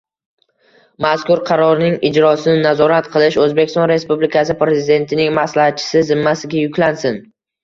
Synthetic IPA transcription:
maskʊɾqʰɑɾɒɾnɪŋɪd͡ʒɾɒsɪnɪnazɒɾat̪qʰɨlˠɪʃɵzbekʲʰɪst̪ɒnɾe̞spublɪkʲʰasɪpɾe̞zɪd̪e̞nt̪ʰɪnɪŋmaslahat̪̚t͡ʃʰɪ̥sɪzɪmːasɪɡʲajʊkʲlansɪn

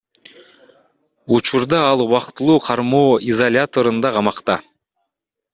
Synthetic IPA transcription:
ut͡ʃuɾd̪ɑɑlˠuβɑqt̪ɯlˠuːqʰɑɾmoːizolʲat̪o̞ɾɯnd̪ɑqʰɑmɑqt̪ɑ

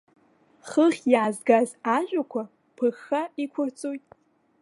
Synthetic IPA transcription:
χəχʲjaːzɡazaʒʷʼakʷʰa | pʰɨxaikʷʰʊrt͡sʼojtʼ

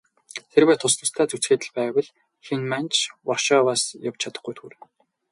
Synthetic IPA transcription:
t̪ʰerwæːt̪ʰʊsnʊ̆st̪ʰæːt͡sut͡sxeːt̪ɘ̆ɮpæːwə̆ɮ | xinmant͡ɕwɔrʃɔːwaːsjawt͡ɕʰat̪ə̆χɡujt̪ʰuːɾ

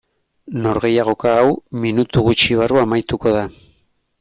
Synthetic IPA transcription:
no̞ɾɣe̞jaɣ̞o̞kaːwminut̪uɣut͡ʃiβ̞aruamajt̪uko̞ð̞a

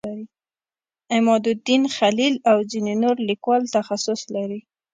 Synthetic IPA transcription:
aɾi | ɪmɑd̪ʊd̪inxalilawzinenoɾlikwɑlt̪axasʊslaɾi

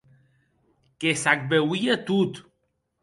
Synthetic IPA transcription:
kesak̚bewiet̪ut̪

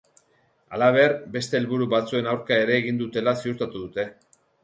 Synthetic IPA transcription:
alaβ̞e̞ɾbe̞st̪e̞ːlβuɾuβat͡sue̞nawɾkae̞ɾe̞ːɣ̞ind̪ut̪e̞lasiuɾt̪at̪uðut̪e̞

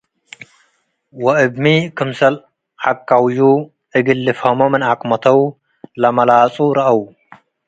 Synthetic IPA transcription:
wɐʔɨbmikʰɨmsɐl | ʕakʰʼːawju | ʔɨɡɨlːɨfomomɨnakʼmɐt̪ʰɐw | lɐmɐlaːt͡sʼuɾɐʔɐw

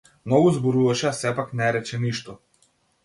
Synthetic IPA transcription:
mnɔɡuzbɔɾuvaʃɛasɛpaknɛɾɛt͡ʃɛniʃt̪ɔ

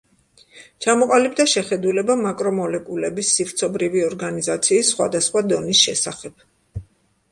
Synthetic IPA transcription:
t͡ʃʰamɔqʼalib̚d̪aʃɛχɛd̪ulɛbamakʼɾɔmɔlɛkʼulɛbisːiɾt̪sʰɔbɾiviɔɾɡanizat̪sʰiːsːχwa̰d̪asχwad̪ɔnisʃɛsaχɛb̥

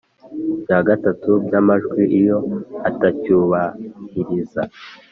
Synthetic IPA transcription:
bjaːɡatatubɟamaʒɡwiʔijo̞atacuːβahiɾiza

